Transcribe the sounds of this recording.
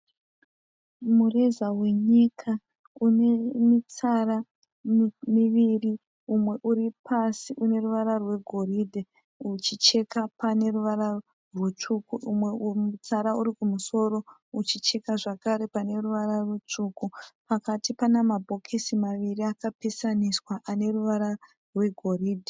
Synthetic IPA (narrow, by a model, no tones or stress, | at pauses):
mure̞zawe̞ɲikʰa | une̞mit͡saɾa | miʋiri | umwe̞ʔuɾipʰasiʔune̞ruʋaɾarwe̞ɡʱo̞ridʱe | ut͡ʃit͡ʃe̞kapane̞ruʋaɾa | rwut͡ʂukuumwe̞mut͡saɾauɾikumuso̞ɾo̞ut͡ʃit͡ʃe̞kaʐakaɾe̞pane̞ruʋaɾarut͡ʂuːkupakatipanemabʱo̞kʰisimaʋiriakapisaniswaʔane̞ruʋaɾa | rwe̞ɡʱo̞riːdʱe